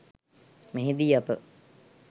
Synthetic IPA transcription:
meɦed̪iːapə̰

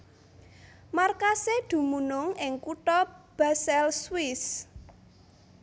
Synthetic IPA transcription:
markased̪̥ṳmunʊŋɪŋkuʈ̪ɔb̥asɛlswɪs

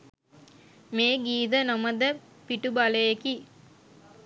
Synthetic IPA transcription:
meːɡiːd̪ənɐməd̪ə | piʈubɐlɐjeki

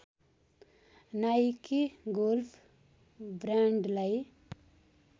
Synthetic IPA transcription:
najkiɡolfʰ | bɾaɳɖlaj

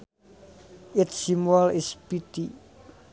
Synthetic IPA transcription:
ɪtsimɛlɪspit̪i

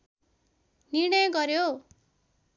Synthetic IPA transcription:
nirɳʌjʌɡʌɾjo

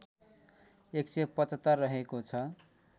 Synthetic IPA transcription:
eksepʌt͡sʌt̪ʌrːʌɦekot͡sʰʌ

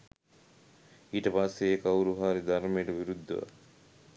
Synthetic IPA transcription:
iːʈəpasːeekɐwɾuɦaːɾid̪ʱaɾmejeʈɐʋiɾud̪ːɐ̰ʋa̰

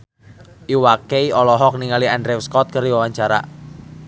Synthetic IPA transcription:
ʔiwakeiɔlɔɦɔk̚niŋaliandɾewskɔt̪̚kəriwawaɲt͡ʃaɾa̰

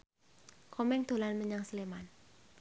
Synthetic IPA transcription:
kʰɔmɛŋd̪̥o̤lanməɲaŋsəleman

